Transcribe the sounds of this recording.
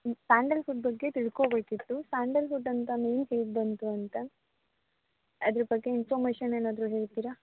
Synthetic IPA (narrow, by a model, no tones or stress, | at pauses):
saːɳɖɐlpʰuʈ̚bɐɡːe̞t̪iɭkoːbe̞ːkit̪ːusaːɳɖɐlfuʈːɐnt̪ɐmeːnɦeːɽd̪ɐnt̪uɐnt̪ɐ | ɐd̪ɐɾɐpɐɡːe̞inpʰoːɾmeːʃɐneːnaːd̪ɾuɦe̞ːɭt̪iːɾɐ